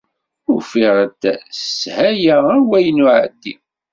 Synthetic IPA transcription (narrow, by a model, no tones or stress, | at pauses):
ʊɾfiʁət̪shæjæəwæjənuʕə̰d̪ːi